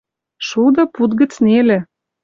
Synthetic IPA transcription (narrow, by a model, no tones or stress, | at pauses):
ʃud̪ə̆put̪ɡə̆t͡snelĕ